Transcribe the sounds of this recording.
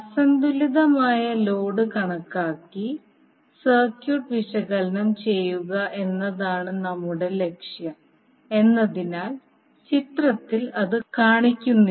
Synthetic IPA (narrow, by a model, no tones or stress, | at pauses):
ɐsɐnd̪uliðɐmaːjɐlo̞ːɽɨkɐɳɐkːaːkːi | sɐrkjuːʈʋiʂɐɣɐlɐnɐmt͡ɕe̞jːuɣɐʔe̞nːɐðaːɳɨnɐmːuɽe̞le̞kʂjɐm | e̞nːɐðinaːl | t͡ɕit̪rɐt̪ːilɐðɨkaːɳikʲːunːi